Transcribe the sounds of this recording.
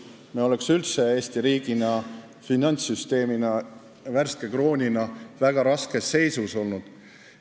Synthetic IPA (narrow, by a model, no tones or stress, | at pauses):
meo̞le̞ksylt̪se̞eːsʲt̪iɾiːɡ̥inɑ | finɑnʲsyst̪e̞ːminɑ | værskekro̞ːnʲinɑvæɡ̥ɑɾɑske̞sːe̞jsuso̞lnud̪̥